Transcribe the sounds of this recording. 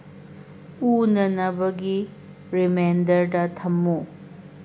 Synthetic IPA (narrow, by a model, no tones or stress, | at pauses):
unɐnɐbɐɡi | ɾimendɐɾdɐtʰɐmːu